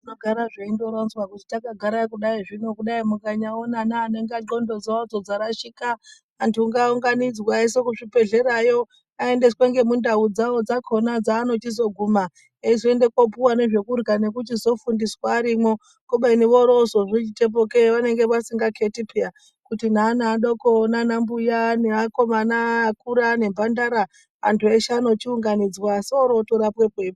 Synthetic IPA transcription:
unoɡʱaɾaʐeindo̞ɾanzwakutitakaɡʱaɾaikuɗaiʐino̞kuɗaimukaɲaonanaːne̞ŋɡaǃo̞ndo̞d͡zoad͡zod͡zaɾaʃikaː | ntuːŋɡauŋɡanid͡zwae̞s̬e̞kuʐibe̞ɮe̞ɾajo̞ | ae̞nde̞sweŋɡe̞mundaud͡zawo̞d͡zakʰo̞nad͡zaːno̞tizo̞ɡʱuma | eizoende̞kwop̬uwane̞ʐe̞kurɡane̞kut͡ʃizo̞fundiswaːɾimo̞ | kuɓainiʋo̞ɾosoʐit͡ʃite̞p̬oke̞ʋane̞ŋɡe̞ʋasiŋɡakʰe̞tipʰeja | kutinaːnaːɗo̞konanambujaneako̞manakuɾane̞mbʱandaɾa | a̰ntueʃano̞t͡ʃiuŋɡanid͡zwaseoɾo̞toɾapwepwepu

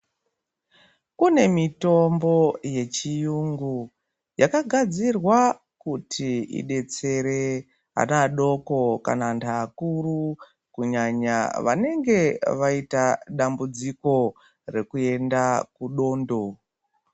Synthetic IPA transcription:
kune̞mito̞mbo̞je̞t͡ʃijuŋɡu | jakaɡʱad͡zirwa | kutʰiḭɗe̞t͡se̞ɾe | a̰naɗo̞ko̞ka̰nantaːkuru | kuɲaɲa̰ʋa̰ne̞ŋɡe̞ʋaitaɗambud͡ziko̞ | re̞kue̞ndakuɗo̞ːndo̞

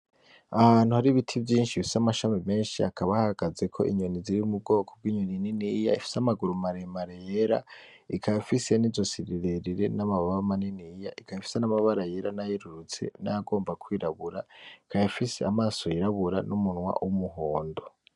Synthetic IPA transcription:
ahaːn̥uhaɾiβitʰivjiːnʃifi̥samaʃamime̞ːnʃiakʰaβahaɡ̥aze̞kʰo̞̰ʔiɲoniziɾiumub̚ɡo̞ːkʰob̚ɡwiːɲonininija̰ifi̥samaɡuɾumaɾemaɾejeɾa̰ | ikʰajafise̞nizo̞siɾiɾeɾiɾe̞namaβaβaβamaninijaʔikʰajifi̥senamaβaɾaje̞ɾanajiɾuɾut͡se̞̰naaɡo̞ːmbakwiːɾaβuɾa̰ikajafisḛamaːsoiɾaβuɾanumunwa̰wumuɦoːndo

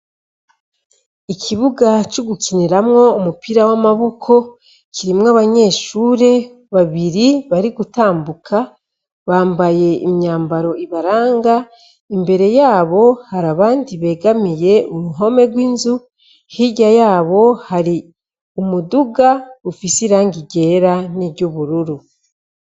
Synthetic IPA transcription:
ikʰiβuɡat͡ʃuɡuciniɾamŋo̞umupiɾawamaβukʰo̞ | ciɾimŋaβaɲe̞ːʃuːɾe̞ | βaβiɾiβaɾiɡutaːmbukʰa | βaːmbaje̞ḭmɲaːmbaɾo̞iβaɾaːŋɡa | imbe̞ɾe̞jaːβo̞haɾaβaːndiβe̞ːɡamije̞umuɦo̞me̞ɡwiːnzu | hiɟajaːβo̞haɾi | umuduɡaufisiɾaːŋɡiɟe̞ːɾaniβɟuβuɾuɾu

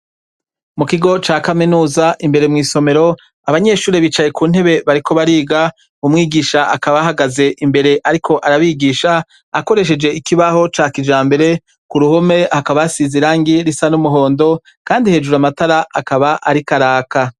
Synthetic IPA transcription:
mukiɡo̞t͡ʃaːkaminuːzaʔimbe̞ɾe̞mŋiːso̞me̞ɾo̞ | aβaɲe̞ʃuːɾeβit͡ʃajekuːn̥e̞βe̞βaɾikʰo̞βaɾiːɡa | umŋiːɡiːʃaakaβaɦaɡaze̞ʔimbe̞ɾe̞ʔaɾikʰo̞ʔaɾaβiɡiːʃaː | ko̞ɾe̞ʃ̬e̞d͡ʒe̞ikiβaho̞t͡ʃaːkid͡ʒaːmbe̞ɾe̞ | kuɾuhome̞hakaβaasiziɾaːŋɡiɾisanumuɦo̞ːndo̞ | kaːndihe̞ːd͡ʒuɾamataɾaakaβaʔaɾikaɾaːka

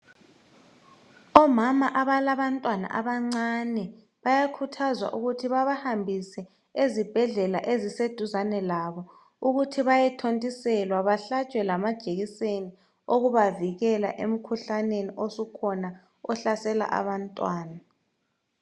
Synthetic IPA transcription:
ɔmamaʔaβalaβantʼwana̰ʔaβaŋ͡ǀanɛ | βajakʰutʰazwa̰ʔuɣutʰiβaβahambʱisɛ | ezib̥ʱɛɮɛlaʔezised̥ʱuzanɛlaβɔ | uɣutʰiβajɛtʰontʼisɛlwaβaɬat͡ʃʼwɛlamad̥ʒ̥ʱeɣiseni | oɣuβaviɣɛla̰ʔem̩kʰuɬaneniʔosukʰɔna | ɔɬasɛla̰ʔa̰βantʼwaːna

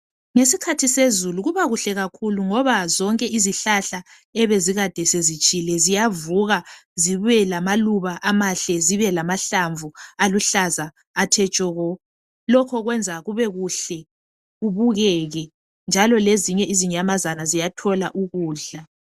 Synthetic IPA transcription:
ŋesikʰatʰisezuluɣuβaɣuɬɛɣakʰuluŋɔβazɔŋkʼɛʔiziɬaɬa | ɛβeziɣad̥ʱɛsezit͡ʃʼilɛzijavuɣaziβɛlamaluβaʔamaɬɛziβɛlamaɬaɱvualuɬazaː | tʰɛt͡ʃʼɔɣɔ | lɔkʰɔɣwɛnd͡zʱaɣuβɛɣuɬɛ | uβuɣɛɣɛ | nd͡ʒʱalɔleziɲɛʔiziɲamazanazijatʰɔlaʔuɣuːɬa

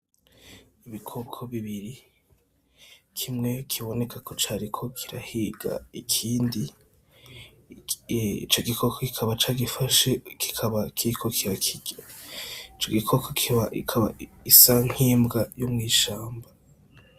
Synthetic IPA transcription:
iβikʰokʰoβiβiɾi | kʰimŋe̞kʰiβo̞ne̞kʰakʰo̞t͡ʃaːɾikʰo̞kʰiɾa̰hiɡa̰ikʰiːndi | ḭt͡ʃo̞ɡikʰokʰokikʰaβat͡ʃaːɡifaʃeki̥kʰaβakʰiikʰo̞kʰiɾakʰiɡ̥eit͡ʃo̞ɡikʰokʰokiakʰaβa̰ | isaŋ̥hiːmbɡajomŋiːʃaːmba

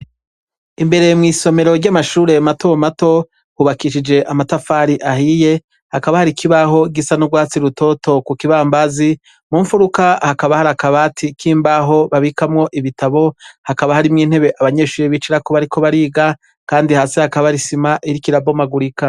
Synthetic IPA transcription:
imbe̞ɾe̞mŋiːso̞me̞ɾo̞ɾɟamaʃuːɾe̞matomato̞ | huβakiʃid͡ʒe̞ʔamatafaɾiʔahije̞ | hakaβahaɾikʰiβaɦo̞ɡisanuɡwaːt͡siɾuto̞to̞kukiβambazi | muːɱfuɾukahakaβahaɾakaβaːtʰikʰiːmbaɦo̞βaβikamŋo̞ʔiβitaβo̞hakaβahaɾimŋiːn̥he̞βe̞ʔaβaɲe̞ːʃuːɾeβiːt͡ʃiɾako̞βaɾikʰo̞βaɾiːɡa | kaːndihaːsehakaβaɾisimaʔiɾikiɾabomaɡuɾika

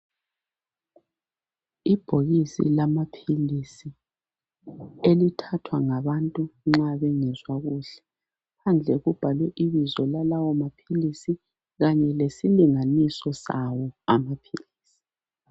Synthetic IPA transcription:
ib̥ʱoɣisḭlamapʰilisi | elitʰatʰwaŋaβantʼuŋ͡ǁaβɛŋɛzwaɣuːɬɛ̥ | pʰand͡ɮʱɛɣub̥ʱalwɛʔiβizɔlalawɔmapʰilisi | ɣaɲɛlesiliŋanisɔsawɔamapʰiliːsi̥

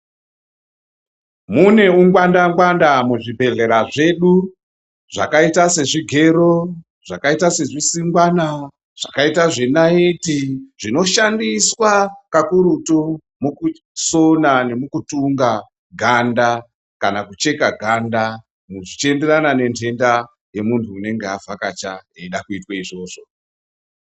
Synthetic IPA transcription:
mune̞uŋɡwandaŋɡwandamuʐibʱe̞ɮe̞ɾaʐe̞ɗu | ʐa̰kaitase̞ʐiɡʱe̞ɾo | ʐ̥akaitase̞ʐisiŋɡwana | ʐ̥akaitaʐenaitiʐino̞ʃandiswakakuɾuto | muku | sonane̞mukutuŋɡa | ɡʱanda | kanakut͡ʃe̞kaɡʱanda | muʐit͡ʃe̞nderanane̞ntʰe̞nda | je̞muntʰuːne̞ŋɡeavʱakat͡ʃaeiɗakuitwaiʐo̞ːʐ̥o

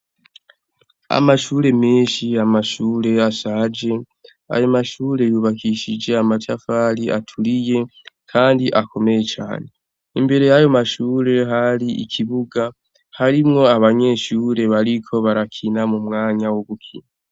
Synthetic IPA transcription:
a̰maʃuːɾe̞miːnʃiamaʃuːɾe̞asad͡ʒe̞ | a̰jo̞maʃuːɾe̞juːβakʰiʃid͡ʒe̞amatʰafaɾiʔa̰tʰulije̞kʰaːndiʔako̞me̞jet͡ʃa̰ːne̞ | imbe̞ɾe̞jajo̞maʃuːɾe̞ɦaɾiḭkʰiβuɡa | haɾimŋo̞aβaɲe̞ːʃuːɾe̞βaɾikʰo̞βaɾakʰinamumŋaːɲawoβukʰḭna

